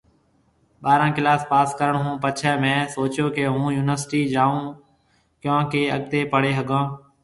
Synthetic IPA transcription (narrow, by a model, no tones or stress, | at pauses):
ɓaːɾãːkɪlaːspaːskəɾəɳɦũːpət͡ʃʰɛːmɛ̃ːsoːt͡ʃõːkeɦũːjuːnəɾsʈiːd͡ʒaːũː | kjõːkeːəɡ̚t̪eːpəɽeːɦəɡãː